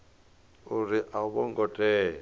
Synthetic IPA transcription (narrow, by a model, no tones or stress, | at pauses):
uɾiʔaβɔŋɡɔtʼɛː